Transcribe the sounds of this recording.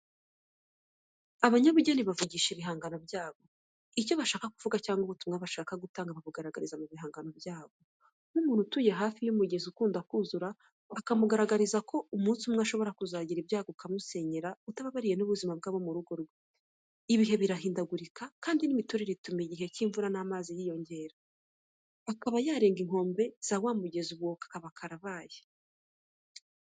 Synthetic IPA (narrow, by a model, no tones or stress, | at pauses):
aβaɲaβuɟaniβavuɟiːʃiβiɦaːŋɡanobjaːβo̞ | ico̞βaʃaːkakuvuɡacaːŋɡuβutumŋaβaʃaːkaɡutaːŋɡaβamuɡaɾaɡaɾizamuβiɦaːŋɡanobjaːɡo̞ | numuːnhutuje̞ɦaːfijumuɟe̞zukuːndakuːzuɾaː | kamuɡaɾaɡaɾizako̞umuːnsumŋaʃo̞βo̞ɾakuzaːɟiɾibjaːɡokamuse̞ɲeɾautaβaβaɾije̞nuβuzimab̚ɡaːβo̞muɾuɡo̞ɾɡe | iβiɦe̞βiɾaɦiːndaɡuɾikakaːndinimituɾiɾitumiɟiɦe̞ciːɱvuɾanaːmaːzijiːjo̞ɲɟe̞ːɾaː | kaβajaːɾe̞ːŋɡiŋ̥ho̞ːmbe̞z̥awaːmuɟe̞zuβwo̞kḁkaβakʰaɾaβaːje